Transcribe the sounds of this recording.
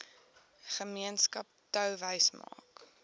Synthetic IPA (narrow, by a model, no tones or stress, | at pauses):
χəmiənskɐp̚tœwvəjsmɑ̰ːk